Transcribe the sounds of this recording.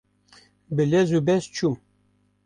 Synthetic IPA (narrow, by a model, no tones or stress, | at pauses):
bəlɛzubɛst͡ʃʰu